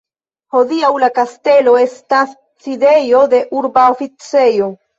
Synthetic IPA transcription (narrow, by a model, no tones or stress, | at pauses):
ho̞diawlakaste̞lo̞e̞stasː | ide̞jo̞de̞ʔuɾbaofit͡se̞jo̞